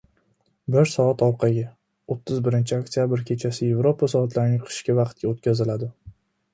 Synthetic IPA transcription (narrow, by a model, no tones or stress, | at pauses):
bɪɾsɒat̪ɒwqʰɑɡʲɪ | ot̪ʰːɪzbɪɾɪnt͡ʃʰɪakt̪ijabɾkʲʰe̞t͡ʃʰasɪje̞vɾo̞pʰasɒat̪laɾɪnɪqʰɨ̥ʃkʲavɑqt̪̚kʲaot̪̚kʲazɪlad̪ɪ